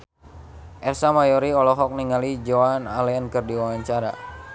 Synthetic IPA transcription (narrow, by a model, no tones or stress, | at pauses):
ʔɛrsamajɔɾiɔlɔɦɔk̚niŋalid͡ʒoanalɛankərdiwawaɲt͡ʃaɾa̰